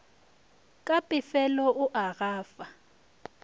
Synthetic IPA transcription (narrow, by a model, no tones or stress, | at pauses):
kʼapʼɪfɛlɔʔʊʔaɣaːfa